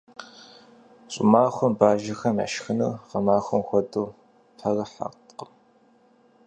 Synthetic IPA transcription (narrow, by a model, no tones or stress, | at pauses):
ɕʼʊ̰maːxʷɔmbaːʒɐxɐma̰ʃxɨnɨqɐmaːxʷɔmxʷɔduː | pʰɐrɐħa̰qtqəm